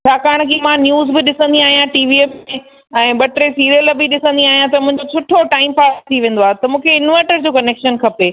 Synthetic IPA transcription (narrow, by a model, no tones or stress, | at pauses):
t͡ɕʰaːkaːɽ̃kiːmãnjuːzbɪɗɪsə̃nd̪iaːɦijãʈiːʋiee | ɛ̃ːɓɐʈɾesiːɾjəlbɪɗɪsə̃nd̪iaːɦijãt̪ɐmʊ̃ɦɪ̃ɲd͡ʑosʰʊʈʰoʈaːɪmpaːst̪ʰiʋẽːnd̪oaːɦet̪ɐmũːkʰeɪnʋeːʈəɾd͡ʑoːkɐneːkʃənkʰɐpeː